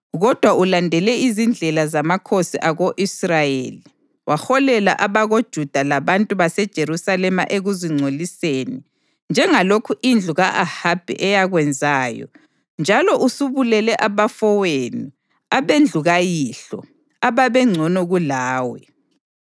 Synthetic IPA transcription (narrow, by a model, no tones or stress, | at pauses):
ɣɔd̥ʱwaʔulandʱɛlɛizind͡ɮʱɛlazamakʰosiʔaɣoʔisrajḛli | waxɔlɛla̰ʔaβaɣod̥ʒ̥ʱud̥ʱalaβantʼuβasɛd̥ʒ̥ʱeɾusalɛma̰ʔeɣuziŋ͡ǀʱoliseːni | nd͡ʒʱɛŋalokʰuʔind͡ɮʱuɣaʔahab̥ʱɛ̰ʔɛjaɣwɛnd͡zʱaːjɔ̰ | nd͡ʒʱalɔʔusuβulɛlɛʔaβafɔweni | aβend͡ɮʱuɣajiːɬɔ̰ | aβaβɛŋ͡ǀʱɔnɔɣulaːwɛ̰